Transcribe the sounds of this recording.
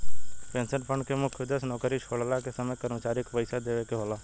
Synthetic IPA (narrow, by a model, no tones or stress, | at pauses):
pẽːnsənpʰə̃ɳɖkemʊkʰjɪd̪əsnɔːkəɾit͡ʃʰoːɽlakesəməkəɾmət͡ʃaːɾɪkpəɪsad̪eːʋekeɦoːlaː